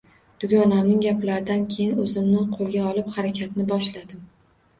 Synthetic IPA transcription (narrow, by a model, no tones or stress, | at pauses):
d̪̥ʊɡʲɒnamnɪŋɡʲaplaɾɪd̪ankʲʰejɪnɵzɪmnɪqʰolˠɡʲaɒlˠɪphaɾakʲʰat̪nɪbɒʃlad̪ɪm